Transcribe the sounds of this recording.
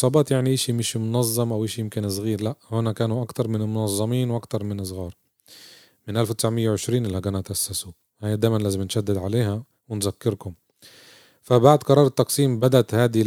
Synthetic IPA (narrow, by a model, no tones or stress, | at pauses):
sˤɑːbɑːt̪jaʕniʔaːʃimɪʃmʊnɑzˤːɑmʔawʔaːʃjɪmkɪnsˤɣiːɾlaʔhʊnakaːnuʔakt̪ɑɾˤmɪnɪlmʊnɑzˤːɑmiːnwʔakt̪ɑɾˤmɪnɪsˤɣɑːɾˤ | mɪnʔalfwt̪ɪsʕmɪjːawʕɪʃɾiːnʔɪlːhaɡanaʔat̪ʔasːasu | haːjad̪aːjmanlaːzɪmnʃad̪ːɪd̪ʕaleːɦa | wɪnzakːɪɾkʊm | fabaʕd̪qɑɾˤɑːɾˤɑt̪ːɑqsˤiːmbad̪at̪haːd̪i